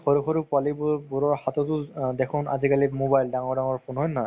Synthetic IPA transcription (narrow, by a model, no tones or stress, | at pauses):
xɔɹukʰɔɹupalibbuɹɔɹhatɔtʊdɛkʰʊna̰zikalimobajldaŋɔɹdaŋɔɹpʰunɦɔjna